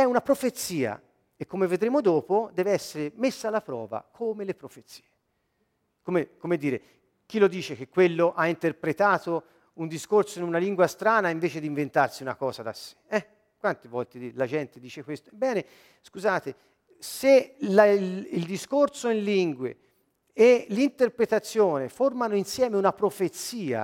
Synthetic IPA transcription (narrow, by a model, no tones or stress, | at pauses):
ɛunapɾofet̪sːiːa̰ | ekːomeved̪ɾeːmod̪oːpod̪ɛːveɛsːeɾemesːaːlːapɾɔ̰ːva̰kʰomelepɾofet̪si̥ːe | komekomed̪ːiːɾe | k̟ilːod̪iːt͡ʃek̟ekːwelːoʔaint̪erpɾet̪aːt̪o | und̪iskorsoinunaliŋɡwast̪ɾaːnaiɱveːt͡ʃed̪iɱvent̪arsiunakɔːzad̪asːe̥ɛ | kːwant̪evɔlt̪ed̪ilad͡ʒɛnt̪ed̪iːt͡ʃekwest̪o̥bɛːne | skuzaːt̪e | selaild̪iskorsoinliŋɡwḛ | elːint̪erpɾet̪at̪sːjoːneformanoinsjɛːmeunapɾofet̪siːa̰